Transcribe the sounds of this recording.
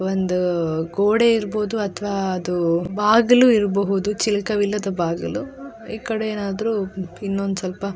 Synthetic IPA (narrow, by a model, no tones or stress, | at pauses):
ond̪uɡoːɽe̞iɾboːd̪uɐt̪ʰɐʋaːɐd̪ubaːɡɐluiɾɐbɐɦud̪ut͡ʃilikɐʋilːɐd̪ɐbaːɡɐlu | iːkɐɽeeːnaːd̪ɐɾuinːond̪usɐlpɐ